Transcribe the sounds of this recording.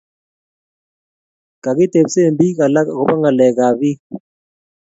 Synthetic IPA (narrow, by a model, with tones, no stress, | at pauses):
ka˨ki˦te˨bse˦˨mbi˦ka˨la˦˨kɔ˦ba˦ŋɡa˨lɛ˨ka˨βi˦